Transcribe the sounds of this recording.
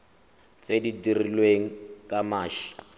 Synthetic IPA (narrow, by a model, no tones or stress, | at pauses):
t͡sʼedidirilweŋ̩kʼamaːʃi̥